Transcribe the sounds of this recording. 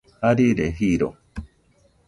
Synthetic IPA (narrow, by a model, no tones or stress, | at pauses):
haɾiɾeɦiɾo̰